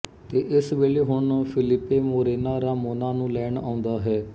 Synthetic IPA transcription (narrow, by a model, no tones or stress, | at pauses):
t̪eːʔɪsʋeːleːɦʊɳpʰɪlɪpːeːmoːɾeːnaːɾaːmoːnaːnũːlɛːɳa̰ːʊ̃nd̪aːɦɛː